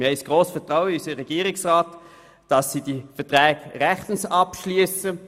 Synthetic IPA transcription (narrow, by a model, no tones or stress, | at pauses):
ɪhɛɪsɡ̥ʁoːsfɛtʁaʊəysəʁɛɡ̥iːʁɪksʁaːt | d̥ɑsːidifɛɐtʁɛːɡʁɛχtn̩sɑpʃlyəsə